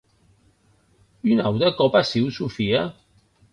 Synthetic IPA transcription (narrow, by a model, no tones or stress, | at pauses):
ynawd̪ɐkɔpasiwsufia